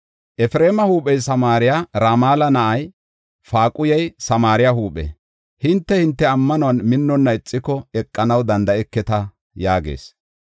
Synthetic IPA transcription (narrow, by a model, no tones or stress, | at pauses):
ʔɛfɾe̞ːmɐhuːpɛjsɐmaːɾɪjaːɾaːmaːlɐnɐʔɐj | faːkʼʊjɐjsɐmaːɾɪjaɦuːpʼɛ̰ | hɪnt̪ːɛhɪnt̪ːɛɐmːɐnɔwɐnmɪnːɔnːɐɪt͡sʼːɪkɔɛkʼːɐnɐwd̪ɐnd̪ɐɛkːɛt̪ɐ | jaːɡḛːs